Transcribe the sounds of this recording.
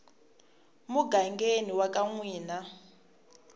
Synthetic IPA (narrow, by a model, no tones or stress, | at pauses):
muɡaŋɡeniwakaŋwiːna